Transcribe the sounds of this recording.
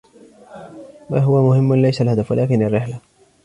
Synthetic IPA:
maɦʊwamʊhɪmːʊlajsalhad̪afwa̰laːkɪnarːɪħla

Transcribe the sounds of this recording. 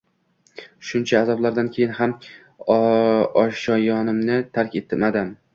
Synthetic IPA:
ʃʊnt͡ʃʰaːzɒblaɾd̪ankʲʰejɪnham | ɒʃɒjɒnɪmnɪt̪ʰaɾkʲet̪ʰɪmad̪ɪm

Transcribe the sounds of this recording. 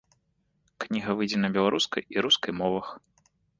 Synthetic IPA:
knʲiɣɐvɨjd͡zʲɛnɐbʲɛlˠaɾuskɐ̰jʔiɾuskɐjmɔvɐx

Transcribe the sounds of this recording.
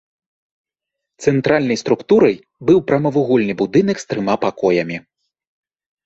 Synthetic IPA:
t̪sɛnt̪ɾalʲnɐjst̪ɾukt̪uɾɐj | bɨwpɾɐmɐvuɣɔlʲnɨbud̪ɨnɐkst̪ɾɨmapakɔjɐmʲi

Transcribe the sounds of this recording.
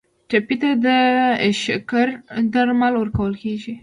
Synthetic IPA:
ʈapit̪ad̪əʃakaɾd̪aɾmalwəɾkawəlkeʒi

